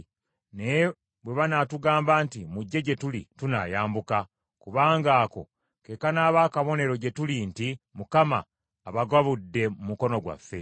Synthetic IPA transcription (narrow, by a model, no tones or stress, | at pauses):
ne̞ | βwe̞βanatuɡaːmbaːntimuɟːe̞ɟe̞tulituna̰ːjaːmbuka | kuβaːŋɡaːko̞̰ | ke̞kanaːβaːkaβo̞ne̞ɾo̞ɟe̞tulintimukama̰ː | βaɡaβudːe̞mumuko̞no̞ɡwa̰fːe̞